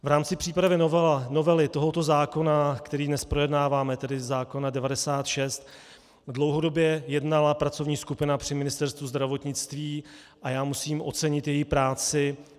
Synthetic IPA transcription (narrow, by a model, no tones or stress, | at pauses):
vɾaːmt͡sɪpr̝̥iːpɾavɪovno̞vɛlɪt̪o̞ɦo̞t̪o̞zaːko̞nakt̪ɛɾiːdnɛspɾo̞jɛdnaːvaːmɛt̪ɛdɪzzaːko̞nadɛvadɛsaːt̪ʃɛst̪ | dlo̞wɦo̞do̞bjɛjɛdnalapɾat͡so̞vɲiːskupɪnapr̥ɪmɪnɪst̪ɛɾst̪vuzd̪ɾavo̞t̪ɲɪt͡st̪viː | ʔajaːmusiːmʔo̞̰t͡sɛɲɪt̪jɛjɪxpɾaːt͡sɪ